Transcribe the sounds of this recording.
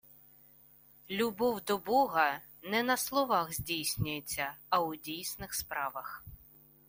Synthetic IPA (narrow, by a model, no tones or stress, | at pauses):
lʲubɔwd̪ɔbɔɦɐ | nɛnɐslˠɔʋɑɣzʲdʲijsʲnʲʊjet͡sʲːɐɐʊdʲijsnɪxspɾɑʋɐx